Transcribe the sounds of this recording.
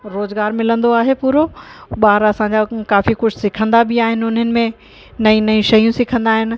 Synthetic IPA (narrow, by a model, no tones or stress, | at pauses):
ɾoːzɡaːɾmɪlə̃nd̪oaːɦepuːɾoɓaːɾɐsãɲd͡ʑakaːfikʊd͡ʑʰʱsɪkʰə̃nd̪abɪaːɦɪnɪ̆ʊn̤ənɪ̆mẽ | nɐĩnɐĩʃɐjũsɪkʰə̃nd̪aːɦɪnɪ̆